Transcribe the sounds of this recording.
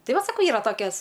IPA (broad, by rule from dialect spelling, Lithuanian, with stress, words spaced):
ˈtɐɪ ˈʋɐt sɐˈkɐʊ ˈiːrɐ ˈtoːkʲɛs